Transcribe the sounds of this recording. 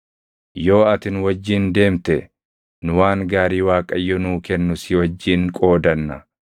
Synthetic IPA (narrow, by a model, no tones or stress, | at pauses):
jo̞ːɐt̪ɪnwɐd͡ʒːɪːnd̪e̞ːmt̪ɛ | nʊwaːŋɡaːɾiːwaːkʼɐjːɔnuːkɛnːʊsɪwɐd͡ʒːiːŋkʼo̞ːd̪ɐnːɐ̰